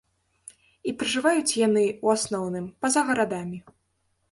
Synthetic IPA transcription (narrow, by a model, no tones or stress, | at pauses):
ipɾɨʐɨvajut͡sʲjanɨuasnɔwnɨmpɐzɐɣɐɾad̪amʲi